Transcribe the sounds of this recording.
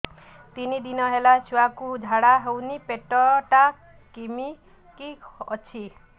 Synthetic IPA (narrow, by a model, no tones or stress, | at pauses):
t̪inid̪inʌɦelat͡ʃʰuakudʱaɽaɦewnipeʈːɔʈa | kimi | kiʌt͡sʰi